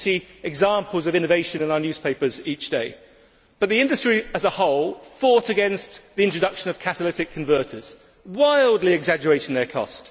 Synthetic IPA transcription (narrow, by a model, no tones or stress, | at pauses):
tiɛɡzɑ̃ˑmpəlˠzəvɪ̃nəveɪʃə̃nɪ̃naʊənjʉːz̥pʰeɪpəziˑt͡ʃd̥eɪ | b̥ʌʔ̪ðiɪ̃ndəstɹ̥iəzəhɒʊlˠfɔˑtəɡɛ̃nsðiɪ̃ntɹ̥ədʌkʃə̃nəv̥kʰatəlɪtɪkʰə̃ɱvɜˑtʰəz̥ | waɪlˠdˡliɪɡzad͡ʒəɹeɪtɪ̃ŋðəkʰɒ̰st